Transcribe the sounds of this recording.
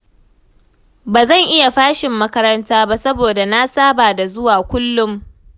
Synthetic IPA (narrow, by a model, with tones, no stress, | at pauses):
baː˨zɐ˦˨ŋʔɪ˦ja˨ɸaː˦ʃɪ˨mːɐ˦kɐ˦ɾɐ˦ntaː˦ba˦sɐ˦boː˨da˨na˦saː˦baː˨da˨zʊ˦waː˨kʷʊ˦lːʊ˦m